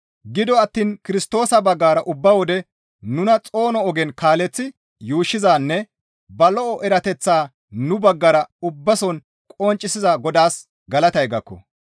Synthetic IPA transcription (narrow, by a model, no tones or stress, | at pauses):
ɡɪd̪ɔɐt̪ːiːnkɪɾɪst̪o̞ːsɐbɐɡːaːɾɐʔʊbːɐwɔd̪ɛ | nʊnɐt͡sʼo̞ːnɔɔɡɛnkaːlɛt͡sːɪ | juːʃːɪzaːnːɛ | bɐlɔɔʔɛɾɐt̪ɛt͡sːaː | nʊbɐɡːɐɾɐʊbːɐsɔn | kʼɔnt͡ʃʼːɪsɪzɐɡɔd̪aːs | ɡɐlɐt̪ɐjɡɐkːɔ̰